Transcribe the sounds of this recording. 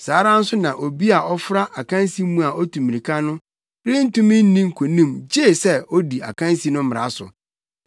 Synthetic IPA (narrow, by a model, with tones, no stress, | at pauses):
saː˨˦ɾã˦n̩˦sʊ˦nã˨ʔo˨bi˦a˨ʔɔ˦fɾa˦ʔa˨kʰã˦n˦si˦mũ˦a˨ʔɔ˦tʰũ˨mĩ˨ĩ˨kʰa˦nʊ̃˦ | ɾɪ˦n̩˦tũ˦mɪ̃˦n̩˦nĩ˦ŋ̩˦˨kʰo˨nĩ˦˨md͡ʑe˦˨sɛ˦ɔ˦di˨a̰˨kʰã˦n˦si˦nʊ̃˦m̩˦m˨ɾa˨˦sʊ̰˨